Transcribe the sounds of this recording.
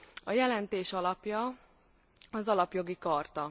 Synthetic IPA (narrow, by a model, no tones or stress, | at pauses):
ɒjɛlɛnt̪eːʃɒlɒpjɒ | ɒzɒlɒpjo̞ɡikɒrt̪ɒ